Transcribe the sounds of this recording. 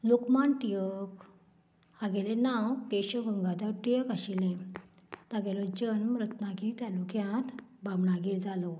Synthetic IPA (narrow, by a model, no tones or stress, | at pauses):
lokmaɳʈijək | aɡelenawkeɕəɡəŋɡad̪aʈijəkaɕilẽ | t̪aɡɛlɔd͡ʑənmɾət̪nakit̪alukʰjãt̪bamɳaɡiɾd͡zalɔ